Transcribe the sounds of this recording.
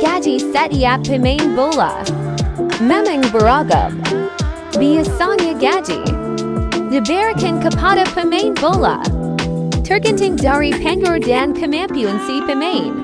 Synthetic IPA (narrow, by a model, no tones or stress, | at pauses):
ɡ̥æd͡ʒisɛɾiæpʰɨmẽɪnboʊlˠə̰ | mɛmɪ̃ŋbə˞ɑɡə̰ | biɨsɑnjɨɡæd͡ʒḭ | dɨbɛɹɨkʰɨ̃nkʰəpʰɑɾɨpʰɨmẽɪ̃nboʊlˠə̰ | tʰɜ˞kɨ̃ntɪ̃ŋdɑɹipʰɛ̃ŋɡə˞dæ̃nkʰɨmæ̃mpjʉɨ̃nsipɨmẽɪ̃n